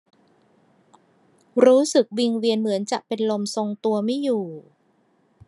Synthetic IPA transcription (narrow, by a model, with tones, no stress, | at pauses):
ɾuː˦˥sɯ˨˩k̚wi˧ŋwi˧ənmɯ˩˦ənt͡ɕa˨˩ʔpe˧nlo˧mso˧ŋt̪u˧ɐma˥˩juː˨˩